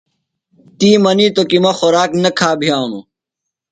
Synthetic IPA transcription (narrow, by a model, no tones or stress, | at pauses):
t̪iːmɐnit̪okimɐxoɾaːknɐkʰaːbʱijaːɳṵ